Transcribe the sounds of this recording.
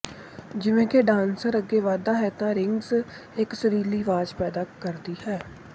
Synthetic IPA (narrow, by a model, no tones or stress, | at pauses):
d͡ʒɪʋẽːkeːɖãːnsəɾəɡːeːʋaːd̪aːɦɛːt̪ãːɾɪŋɡz | ɪksəɾiːliːʋaːd͡ʒpɛːd̪aːkəɾd̪iːɦɛː